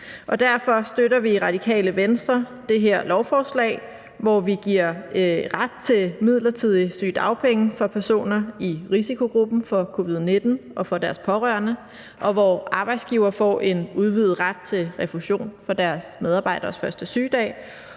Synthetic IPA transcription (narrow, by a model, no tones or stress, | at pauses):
ʔɒ̽d̥æɐfɒ̽sd̥øɾɐʋiʁɑ̈d̥ikʰɛ̰ːləʋensd̥ʁɐ | d̥e̝ɦeɐ̰lɒʊfɒːslɛ̰ːɪ | ʋɒʋiɡ̥iɐ̰ʁad̥̚t͡sʰe̝lmið̞̰ˠlɐt͡sʰið̰ˠisy̰ːd̥ɑ̈ʊpʰeŋəfɒ̽pʰæɐso̝̰ːnɐiʁisikʰo̝ɡ̥ʁub̥n̩fɒ̽kʰo̝ʋið̞̰ˠne̝d̥n̩ʔɒ̽fɒ̽d̥æɐspʰɒ̽ʁɶɐnə | ʔɒ̽ʋɒɑ̈ːb̥ɑ̈ɪd̥sɡ̥iːʊɐːfɒ̰ʔe̝nuð̞ˠʋið̩ˠʁad̥̚t͡sʰe̝lʁɛfuɕo̝̰ːnfɒ̽d̥æɐsmeð̞ˠɑ̈ːb̥ɑ̈ɪd̥ɐːsfɶɐsd̥əsy̰ːd̥ɛ̰ː